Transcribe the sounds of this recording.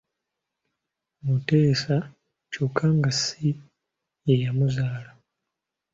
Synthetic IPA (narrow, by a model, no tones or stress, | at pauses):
muteːsa | cokʰːaːŋɡasi | jejamuzaːla